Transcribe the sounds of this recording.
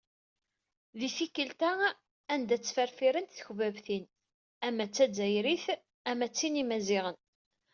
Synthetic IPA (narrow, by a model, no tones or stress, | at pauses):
ðifikːəlt̪æ | ænd̪æt͡sːfæɾfiɾənt̪θəçvævθin | æmːæt͡sːæd͡zːæjɾiθ | æmæt͡sːinimæziʁən